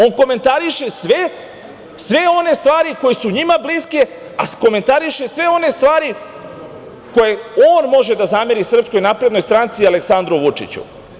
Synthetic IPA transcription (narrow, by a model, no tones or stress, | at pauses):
o̞nko̞me̞nt̪aɾiʃe̞sʋe | sʋe̞o̞ne̞st̪ʋaːɾiko̞jesuɲimabliske̞ | a̰ko̞me̞nt̪aɾiʃe̞sʋe̞o̞ne̞st̪ʋaːɾi | ko̞jeoːnmo̞ʒe̞d̪azameɾisr̩psko̞jnapɾe̞d̪no̞jst̪ɾant̪sialeksand̪ɾoʋut͡ʂḭt͡ɕṵ